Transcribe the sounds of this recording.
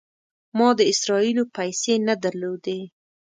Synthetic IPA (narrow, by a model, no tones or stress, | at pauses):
mɑd̪əɪsɾɑilopajsenad̪aɾlod̪e